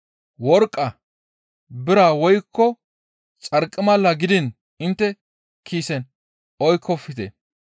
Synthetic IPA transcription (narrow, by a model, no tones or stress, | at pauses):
wɔɾkʼːɐ | bɪɾaːwɔjkːɔ | t͡sʼɐɾkʼːɪmɐlːɐɡɪd̪ɪn | ɪnt̪ːɛ | kʰiːsɛn | ɔjkʰːɔfːɪt̪ɛ̰